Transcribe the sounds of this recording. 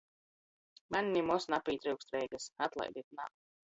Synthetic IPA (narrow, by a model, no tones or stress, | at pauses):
manʲnimɔsnapiːt̪ɾɨwkst̪ɾɛjɡasat̪lˠa̰jd̪it̪na̰ːm